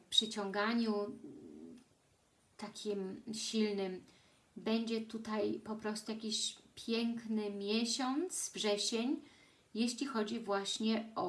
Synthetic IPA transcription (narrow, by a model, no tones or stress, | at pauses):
pʂɘt͡ɕɔŋɡaɲu | t̪akʲʰimɕilnɘm | bɛɲd͡ʑɛt̪ut̪ajpɔpɾɔst̪ujakʲiɕpʲjɛŋknɘmʲjɛɕɔnt̪svʐɛɕeɲ | jeɕlʲixɔd͡ʑivwaɕɲɛɔ